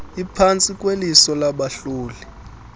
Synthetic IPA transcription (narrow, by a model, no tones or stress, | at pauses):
ipʰant͡sʼikʼwelisɔlaɓaɬuːli